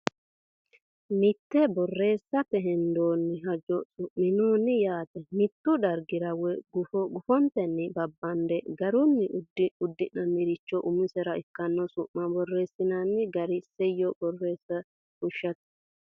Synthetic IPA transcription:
mɪt̪ːɛbɔrːe̞ːsːɐpɛɦɛnd̪oːnːɪɦɐd͡ʒɔsʊʔmːɪnoːnːɪjaːt̪ɛmɪt̪ːʊd̪ɐɾɡɪɾɐwɛɡʊfɔɡʊfɔnt̪ɛnːɪbɐbːɐnd̪ɛɡɐɾʊnːɪdʊd̪ːɪnːɐnɪɾɪt͡ʃːɔʔʊmʊsɛɾɐɪkːɐnːɔsʊʔːɐbɔrːe̞ːsːɪnɐnːɪɡɐɾɪsɛjːɔbɔrːeːsːɐ | kʊʃːɐt̪

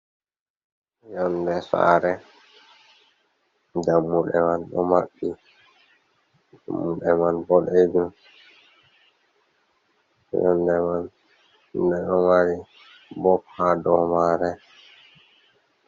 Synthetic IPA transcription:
jɔndɛsa̰ɾɛ | d͡ʒamːuɗɛmanɗɔ̰maɓːi | d͡ʒa̰mːuɗɛmanbɔɗed͡ʒum | jɔ̰ndɛman | dɛɗɔmaɾi | bɔphadɔmaɾɛ

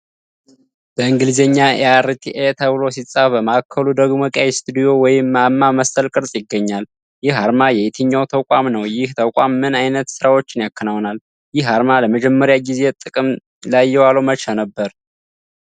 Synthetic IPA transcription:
b̥əɨŋɡɨlzeɲːaeɛ̰aɾit̪ʰiʔet̪ʰəβɨlo̞s̬it͡sʼːabəməkʰːəlud̪əɡmokʼajst̪ʰud̪ijo̞wɔjɪmːamːaməsəlkʼɨɾsʼjɪɡːəɲːal | jɪhaɾmajɛet̪ʰɨɲːawt̪ʰəkʷʼamnəwjɪht̪ʰəkʷʼamːɨnajnət̪sɨɾawo̞t͡ʃːɪnjakːənawnal | jɪhhaɾmaləməd͡ʒɛmːəɾjaɡize̞t̪ʼɨkʼɨm | lajːɛwalomət͡ʃanəbːəɾ

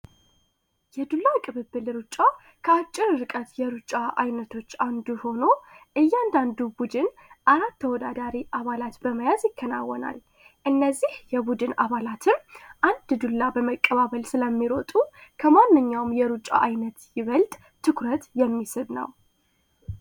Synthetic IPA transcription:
jɛd̪ulːakʼɨβɨbːɨlɾut͡ʃʼːa | kʰəat͡ʃʼːɪɾɨɾɨkʼət̪jɛɾut͡ʃʼːaʔa̰jnət̪ʰo̞t͡ʃːand̪uho̞no̞ʔɨjːand̪and̪ubud̪ɨn | ʔaɾat̪ʰːəwɔd̪ad̪aɾiʔaβalat̪bəməjazjɪkːəna̰wːɔna̰l | ʔɨnːəzːihjɛbud̪ɨna̰βalat̪ʰɨmʔand̪d̪ulːabəməkʼːəβaβəlsɨləmːiɾo̞t̪ʼukʰəmanːɨɲːawmjɛɾut͡ʃʼːa̰ʔajnət̪jɪβəlt̪ʼ | t̪ʰːɨkɾət̪jɛmːisɨβnə̰w

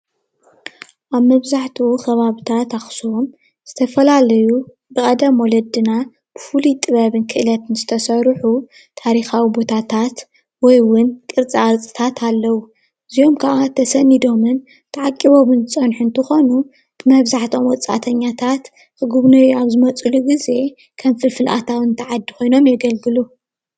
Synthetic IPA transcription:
ʔaβmɐβzaħt̪ʰuxɐβaβɨt̪ʰat̪axsuom | z̥ɨt̪ʰɐfɐlalɐju | bɨkʼɐd̪ɐmwɔlɐd̪ɨna | b̥ɨfulit̪ʼɨβɐβɨnkʰɨʔɨlɐt̪ɨnzɨt̪ʰɐsɐɾħu | t̪ʰaɾixawibo̞t̪ʰat̪ʰat̪ | wɔjwʊnkʼɨɾt͡sʼiaɾt͡sʼɨ̥t̪ʰat̪ʰalːɐwu | ɨzio̞mkʰaʔat̪ʰɐsɐnid̪o̞mɨn | t̪ʰɨʕakʼːiβomɨnt͡sʼɐnħunt̪ʰɨxonu | b̥ɨmɐβzaħt̪ʰo̞mwɔt͡sʼa̰t̪ʰɐɲːat̪ʰat̪ | ʔɨɡuβnɐjaβzɨmɐt͡sʼuluɡize̞ | kʰɐmfɨlfɨlʔa̰t̪ʰawɨnt̪ʰɐʕad̪ːiko̞jno̞mjɛɡɐlɡɨlu

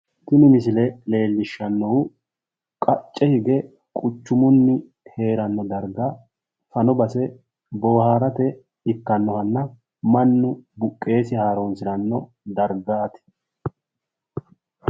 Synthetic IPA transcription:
t̪ɪnɪmɪs̬ɪlɛle̞ːlːɪʃːɐnːɔwʊ | kʼɐt͡ʃʼːɛhɪɡɛ | kʼʊt͡ʃːʊmʊnːɪ | he̞ːɾɐnːɔd̪ɐɾɡɐ | fɐnɔbɐsɛ | boːhaːɾɐt̪ɛ | ɪkːɐnːɔhɐnːɐ | mɐnːʊbʊkʼːe̞ːsɪhaːɾɔnsɪɾɐnːɔ | d̪ɐɾɡaːt̪ɪ̥

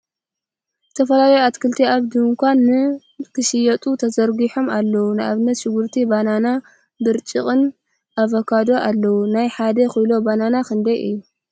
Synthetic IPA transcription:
zɨt̪ʰɐfɐlalɐjoat̪kʰɨlt̪ʰiaβd̪ɨmkʷanːɨ | kʰɨʃɪjɐt̪ʼut̪ʰɐzɐɾɡiħo̞malːɐwunɨʔaβnːɐt̪ʃɪɡuɾt̪ʰibanana | bɨɾt͡ʃʼɨχʼɨn | ʔaβɐkʰad̪o̞ʔalːɐwunajħad̪ɐxɨjlo̞bananaxɨnd̪ɐjʔɨ̰jːu

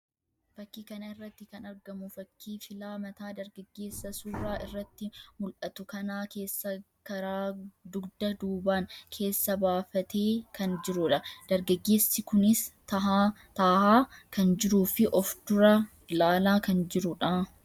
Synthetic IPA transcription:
fɐkːiːkɐnɐɪrːɐt̪ːɪkɐnɐɾɡɐmʊfɐkʰːiːfɪlaːmɐt̪aːd̪ɐɾɡɐɡːe̞ːsːɐsuːraːʔɪrːɐt̪ːɪmʊlʔɐt̪ʊkɐnaːke̞ːsːɐ | kɐɾaːd̪ʊɡd̪ɐd̪uːbaːnkʰe̞ːsːɐbaːfɐt̪eːkʰɐnd͡ʒɪɾʊᶑɐd̪̥ɐɾɡɐɡːe̞ːsːɪkʊnɪst̪ɐɦaːt̪aːhaːkɐnd͡ʒɪɾuːfɪʔɔfd̪ʊɾɐ | laːlaːkɐnd͡ʒɪɾʊᶑaː

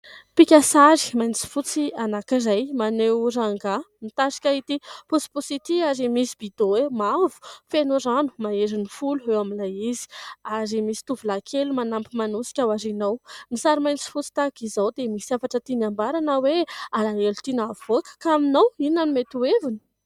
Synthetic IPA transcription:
pikʲasaɾi̥majnt͡si̥fut͡sianakirajmanewɾaŋɡamit̪aʃi̥kʲait̪ipusi̥pusit̪iaɾimisib̥id̪owemavu̥fenoɾanu̥maeɾinifuluewamilajizi̥aɾimisi̥t̪uvulakʰelumanampimanusi̥kʲawaɾinawmisaɾimajnt͡si̥fut͡si̥t̪akizawd̪emisiafaʈ͡ʂət̪inambaɾanəwealaelut̪inavokə̥kaminawinanumet̪uevuni̥

